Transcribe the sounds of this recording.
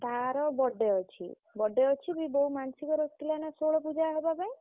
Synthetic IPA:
t̪aɾɔbɔɖeɔt͡ʃʰḭ | bɔɖeɔt͡ʃʰibibɔɦumansikɔɾɔskilanasoɭɔpud͡ʒaɦɔbapae

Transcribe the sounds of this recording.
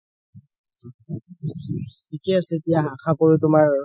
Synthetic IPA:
tʰikɛasɛetijaɦakʰapɔɹutʊmaɹ

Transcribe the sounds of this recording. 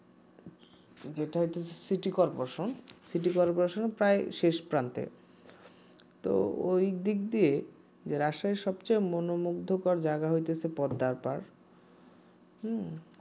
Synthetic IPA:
d͡ʑeʈaɦojt̪et͡ɕʰe̥siʈikɔɾpoɾaʃonsiʈikɔɾpoɾaʃonepɾaeʃeʃpɾant̪ḛ | t̪o̰ojd̪ikd̪ie | d͡ʑeɾaʃaeʃɔb̚t͡ɕajmonomuɡd̪ʱokaɾd͡ʑaɡaɦojt̪et͡ɕʰepɔd̪ːaɾpaɾ

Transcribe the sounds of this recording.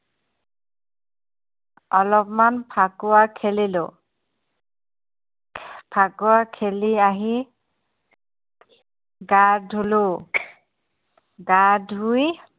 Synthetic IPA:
ɔlɔpmanpʰakʊwakʰelilʊ̰ | pʰakʊwakʰeliaɦi | ɡadʱulʊ | ɡadʱɦuj

